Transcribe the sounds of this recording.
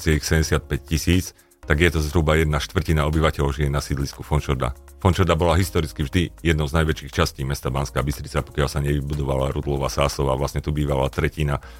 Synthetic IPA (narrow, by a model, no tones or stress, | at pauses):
t͡sɪɛixsɛɟɛsɪat̪̚pɛc̚cisiːt͡s | t̪aɡjɛt̪ɔzɦɾubajɛd̪̚naʃt̪ʋr̩cinaɔbiʋacɛʎɔʊʒijɛnasid̪liskufɔnt͡ʃɔɾd̪a̰ | fɔnt͡ʃɔɾd̪abɔlaɦist̪ɔɾit͡skivʒd̪ijɛd̪̚nɔʊznajʋɛt͡ʃiːxt͡ʃasciːmɛst̪abaːnskaːbist̪ɾit͡sapɔ̥kɪalsaɲɛʋibud̪ɔʋalaɾud̪lɔʋaːsaːsɔʋaʋlasɲɛt̪ubiːʋala̰t̪ɾɛcina